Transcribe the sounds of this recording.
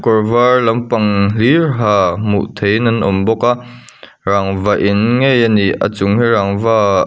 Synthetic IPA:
kɔɹvaɹlɐmpɐŋlirɦaːmṵʔt̪ʰejnɐnʔɔ̰mbɔka | raŋvaʔinŋɛjaniʔʔa̰t͡sʊŋhiraŋva

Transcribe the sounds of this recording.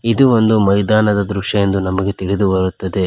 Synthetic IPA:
id̪uo̞nd̪umɐjd̪aːnɐd̪ɐd̪ɾuʂɐje̞nd̪unɐmɐɡe̞t̪iɭid̪ubɐɾut̪ːɐd̪e̞

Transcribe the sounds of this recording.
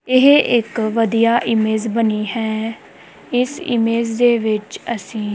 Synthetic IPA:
ɪɦeʔɪkʋəd̪ijaːʔɪmeːzbəniːhɛː | ɪsɪ̰meːzd̪eːʋɪt͡ʃəsĩː

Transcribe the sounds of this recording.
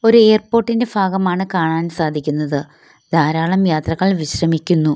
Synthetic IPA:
o̞ɾue̞ːrpo̞ːrʈːinde̞bʱaːɡɐmaːɳɨkaːɳaːnsaːd̪ʱikʲːunːɐðɨ | d̪ʱaːɾaːɭɐmjaːt̪rɐɣːɐɭʋiɕrɐmikʲːunːu

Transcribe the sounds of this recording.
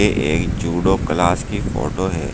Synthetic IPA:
eʔeːkd͡ʒuːɖoklaːskifo̰ːʈoɦɛː

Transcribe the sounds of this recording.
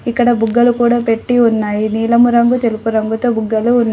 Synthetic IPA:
ikːɐɽɐbuɡːɐlukuːɽaːpe̞ʈːiunːaːjiniːlɐmuɾɐŋɡut̪e̞lupuɾɐŋɡut̪oːbuɡːɐluːnː

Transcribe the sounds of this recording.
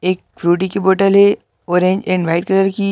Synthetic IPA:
eːk̚fɾuːʈ̬ikiboːʈəlɦe | oːɾẽːd͡ʒɪ̃nʋaːɪʈ̚kɐɾəɾki

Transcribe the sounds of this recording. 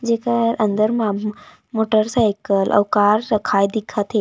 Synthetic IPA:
d͡ʒekaɾʔə̃nd̪əɾmã | moʈəɾsajkəlʔə̰wkaɾɾɐkʰaːjd̪ikʰat̪ʰe

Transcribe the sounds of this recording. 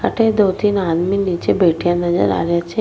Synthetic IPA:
a̰ʈed̪ot̪ʰinad̪minit͡ʃebeʈʰjãnəd͡ʒə̰ɾa̰ʋjat͡ʃʰe

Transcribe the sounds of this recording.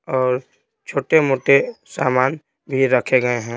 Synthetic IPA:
ɔːɾ | t͡ʃʰoːʈemoːʈesaːmaːn | bʱiɾəkʰeɡɐeɦɛ̃ː

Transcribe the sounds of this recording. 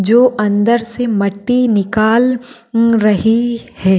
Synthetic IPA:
d͡ʒoːʔɐ̃nd̪əɾsemɐʈːinɪkaːl | ɾɐɦihɛː

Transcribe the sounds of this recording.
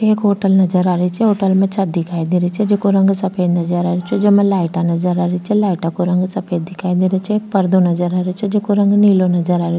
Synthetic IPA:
eːkɦoːʈəlnɐd͡ʒəɾaːɾəit͡ʃʰɛɦoːʈəlmẽt͡ʃʰɐt̪̚d̪ɪkʰaːid̪iɾit͡ʃʰɛd͡ʒekoɾɐ̃ŋɡsɐpʰəjnɐd͡ʒəɾaːɾit͡ʃʰed͡ʒɐmẽlaːɪʈanɐd͡ʒəɾaːɾit͡ʃʰɛlaːɪʈakoɾɐ̃ŋɡsɐpʰed̪ɪkʰaːid̪iɾet͡ʃʰɛeːk̚pɐɾd̪onɐd͡ʒəɾaːɾet͡ʃʰɛd͡ʒekoɾɐ̃ŋɡniːlonɐd͡ʒəɾaːɾe

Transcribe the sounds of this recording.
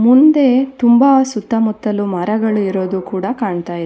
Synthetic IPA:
mund̪e̞t̪umbasut̪ːɐmut̪ːɐlumɐɾɐɡɐɭuiɾo̞ːd̪ukuːɽɐkaːɳt̪aːjid̪e

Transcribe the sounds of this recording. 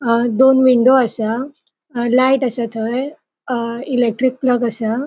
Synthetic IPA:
d̪onʋiɳɖoasa | laiʈəsat̪ʰəj | ilek̚ʈɾik̚pləɡəsa

